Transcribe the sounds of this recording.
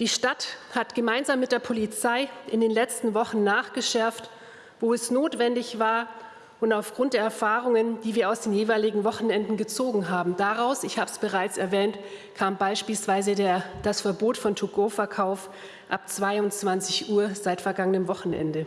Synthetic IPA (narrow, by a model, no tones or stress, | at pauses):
d̥iːʃtathatɡ̥əmaɪnzaːmːɪt̚d̥eːɐpʰolit͡saɪʔɪndeːnlɛt͡stn̩vɔχn̩naːχɡ̥əʃɛɐft | voːɛsnoːtv̥ɛndɪçv̥aːɐ | ʔʊntaʊfɡ̥ʁʊnt̚d̥eːɐɛɐfaːʁʊŋənd̥iːviːɐaʊsd̥eːmjeːvaɪlɪɡŋ̩vɔχn̩ɛndn̩ɡət͡soːɡŋ̩ɦaːbm̩d̥aʁaʊsɪçhaːbəsb̥əʁ̞aɪt͡sɛɐvɛːntkʰaːmbaɪʃpiːlsv̥aɪzədd̥asfɛɐboːtfɔntʰuɡoːfɛɐkʰaʊf | ʔap̚t͡sv̥aɪʊnt͡sv̥ant͡sɪçʔuːɐz̥aɪtfɛɐɡaŋənəmvɔχn̩ʔɛ̰ndə